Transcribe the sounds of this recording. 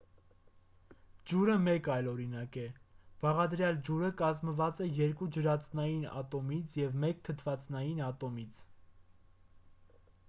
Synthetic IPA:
d͡ʒuɾəmɛkɑjlɔɾinɑkɛb̥ɑʁɑd̪ɾjɑld͡ʒuɾəkɑzməvɑt͡sɛjɛɾkud͡ʒəɾɑt͡snɑjinɑ̰t̪ɔmit͡sʰjɛvmɛk̚t̪ʰət̪ʰvɑt͡snɑjinɑt̪ɔmit͡sʰ

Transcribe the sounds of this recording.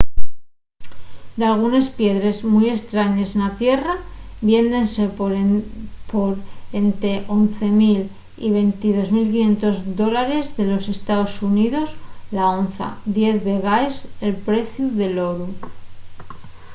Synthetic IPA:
d̪alɣ̞une̞spje̞ðɾe̞zmuje̞st̪ɾaɲe̞senat̪je̞raβje̞nd̪e̞nse̞ | poɾent̪e̞ʔo̞nθe̞mil | ḭβe̞nt̪iðo̞zmilkinje̞nt̪o̞zðo̞laɾe̞zðe̞lo̞se̞st̪aosuniðo̞slaonθa̰d̪je̞θβe̞ɣaese̞lpɾe̞θjuðe̞lo̞ɾu

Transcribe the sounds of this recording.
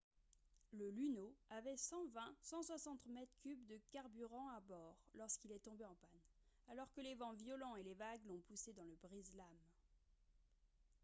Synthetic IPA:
ləlynoavɛsɑ̃vɛ̃sɑ̃swasɑ̃t̪mɛt̪kʲybd̪əkaʁbyʁɑ̃abɔʁlɔʁskilɛt̪ɔ̃beɑ̃pan | alɔʁkəlevɑ̃vjɔlɑ̃elevaɡlɔ̃pused̪ɑ̃ləbʁizlam

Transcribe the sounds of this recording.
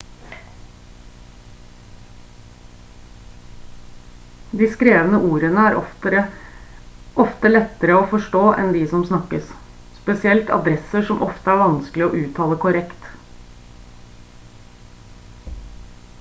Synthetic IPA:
d̪iːskɾeːʋənəʔuːɾənəæːɾɔəɾə | ʔɔft̪əlɛt̪ːəɾəofɔʂʈoːʔɛ̰nd̪ɪːsɔmsnɑkːəs | spɛsɪɛlt̪ʰɑ̰d̪ɾɛsəʂɔmʔɔft̪əæɾʋɑnsklɪɔːʔʉːt̪ʰɑːləkʰʊɾɛkt̪

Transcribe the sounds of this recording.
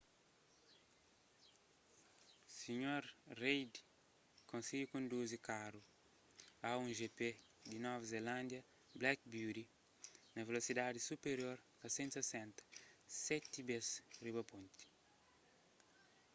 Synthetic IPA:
siɲoɾrejd̪i̥ | kõnsiɡikõnd̪uzikaɾu | aũnʒepe | d̪inɔvɐzelãnd̪jɐ | blak̚budi | nɐvelosid̪ad̪isupeɾjoɾ | ɐsẽnsɐsẽnt̪ɐ̥sɛt̪ibesribɐpõnt̪i̥

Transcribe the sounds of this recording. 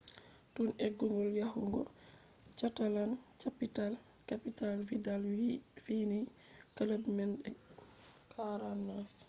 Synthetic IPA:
tuneɡːuŋɡɔljahuŋɡɔ̰ | t͡ʃatalant͡ʃapital | kapitalfidalfinikalabimɛnɗɛ | kʰaɾanːaf

